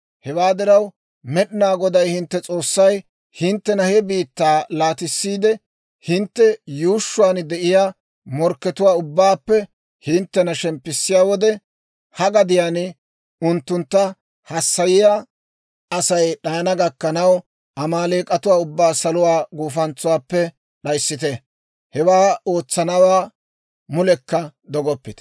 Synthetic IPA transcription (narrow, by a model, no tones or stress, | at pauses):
hɛwaːd̪ɪɾɐw | mɛɗɪnaːɡɔd̪ɐjhɪnt̪ːɛt͡sʼo̞ːsːɐj | hɪnt̪ːɛnɐhɛbiːt̪ːaːlaːt̪ɪsːiːd̪ɛ | hɪnt̪ːɛjuːʃːʊwaːnd̪ɛʔɪjaː | mɔɾkːɛt̪ʊwaːʊbːaːpːɛ | hɪnt̪ːɛnɐʃɛmpːɪsːɪjaːwɔd̪ɛ | hɐɡɐd̪ɪjaːn | ʊnt̪ːʊnt̪ːɐ | hɐsːɐjɪjaː | ɐsɐjɗɐjɐnɐɡɐkːɐnɐw | ʔɐmaːleːkʼɐt̪ʊwaːʊbːaːsɐlʊwaːɡuːfɐnt͡sːʊwaːpːɛ | ɗɐjsːɪt̪ɛ | hɛwaːo̞ːt͡sːɐnɐwaː | mʊlɛkːɐd̪ɔɡɔpːɪt̪